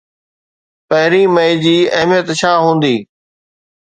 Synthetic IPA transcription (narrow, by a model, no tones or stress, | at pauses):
pɐɦɪɾiːməɪd͡ʑiːɐɦmijət̪t͡ɕʰaːɦũːnd̪iː